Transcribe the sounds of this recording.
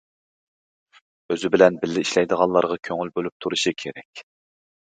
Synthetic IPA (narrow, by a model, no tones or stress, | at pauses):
øzɪbɪlɛnbɪlːɪiʃlɛjd̪əʁɑnlˠɑɾʁɑkʲʰøŋylbølyp̚t̪ʰuɾuʃikʲʰeɾɛkʲ